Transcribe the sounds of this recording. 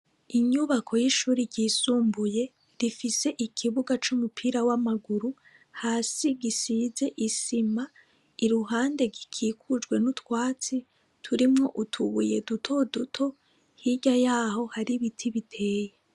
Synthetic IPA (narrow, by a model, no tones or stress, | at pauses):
iɲuβakʰo̞jiʃuːɾiɾɟiːsuːmbuje̞ | ɾifise̞ʔikʰiβuɡat͡ʃumupʰiːɾawamaɡuɾu | haːsiɡisize̞ʔisima | iɾuɦaːnde̞ɡikʰiːkʰud͡ʒɡwe̞nutwaːt͡si | tʰuɾimŋo̞ʔutʰuβuje̞dutʰo̞dutʰo̞ | hiɟajaːho̞haɾiβitʰiβitʰe̞ːje